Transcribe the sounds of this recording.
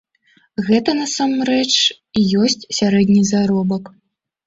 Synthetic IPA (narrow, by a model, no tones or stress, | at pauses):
ɣɛt̪ɐnasamɾɛt͡ʂ | ijɔsʲt͡sʲsʲaɾɛd̪ʲnʲizaɾɔbɐk